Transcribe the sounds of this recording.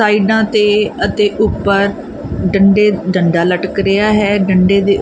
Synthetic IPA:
aːiɖãːt̪eːət̪eːʔʊpːəɾ | ɖəɳɖeːɖəɳɖaːləʈkɾɪaːɦɛːɖəɳɖeːd̪eː

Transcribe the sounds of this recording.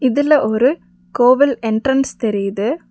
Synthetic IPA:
ɪðɪlɐʔɔɾɯ | koːʋɪlɛɳʈrɐnst̪ɛɾɪjɐðɯ

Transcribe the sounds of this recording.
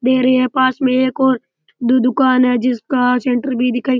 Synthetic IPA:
d̪eːɾɐiɦɛpaːsmẽeːkɔːɾ | d̪od̪ʊkaːnɦɛːd͡ʒɪskasẽːɳʈəɾbʱid̪ɪkʰaːi

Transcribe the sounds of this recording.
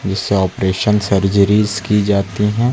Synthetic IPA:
d͡ʒɪsːeɔːpɾeːʃənsəɾd͡ʒəɾiːzkid͡ʒaːt̪iɦɛ̃ː

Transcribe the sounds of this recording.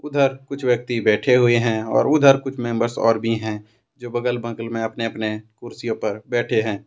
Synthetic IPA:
ʊd̪ʱəɾkʊt͡ʃʰwjək̚t̪ibɛːʈʰeɦʊeɦɛ̃ːɔ̰ːɾʊd̪ʱəɾkʊt͡ʃʰmẽmbəɾsɔ̰ːɾbʱiɦɛ̃ | d͡ʒoːbəɡəlbə̃ŋkəlmẽɐpneəpnekʊɾsijõpɐɾbɛːʈʰeɦɛ̃ː

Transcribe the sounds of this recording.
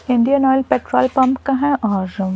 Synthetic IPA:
ɪ̃ɳɖijənɔːjlpeːʈɾɔ̰ːlpɐ̃mpkaɦɛ̃ʔɔːɾ

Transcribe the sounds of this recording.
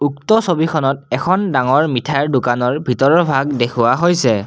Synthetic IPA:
uktɔsobikʰɔnɔtɛkʰɔndaŋɔɹmitʰaɹdʊkanɔɹbʱitɔɹɔbʱaɡdekʰʊwaɦojsɛ

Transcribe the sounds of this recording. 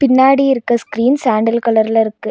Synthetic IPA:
pɪnːaːɽiɪɾɯkːɐskɪɾiːnsaːɳɖɐlkɐɭɐɾɪlɐɪɾɯkːɯ

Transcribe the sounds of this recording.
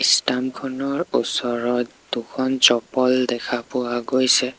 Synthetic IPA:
istamkʰɔnɔɹusɔɹɔ | d̥ukʰɔnt͡ʃɔpɔldɛkʰapʊwaɡojsɛ

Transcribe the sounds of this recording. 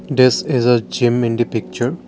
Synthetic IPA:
d̪ɪsɪzəd͡ʒɪ̃mɪ̃ɳɖipɪk̚t͡ʃəɾ

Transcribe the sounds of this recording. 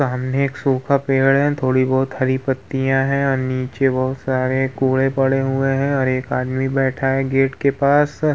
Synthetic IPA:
saɦəmneeːksuːkʰapeːɽɦɛ̃t̪ʰoːɽibɔːʊt̪hɐɾipət̪ːijãɦɛ̃ɔːɾniːt͡ʃebɔɦʊt̪saːɾekuːɭẽpɐɽeɦʊeɦɛ̃ɔːɾeːkaːd̪mibɛːʈʰaɦɛɡeːʈkepaːs

